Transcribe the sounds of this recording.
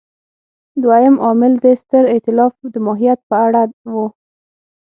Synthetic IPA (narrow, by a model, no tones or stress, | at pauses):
d̪wajəmʔɑmɪld̪əst̪əɾɪt̪ɪlɑfd̪əmɑɦijat̪̚pəaɽawu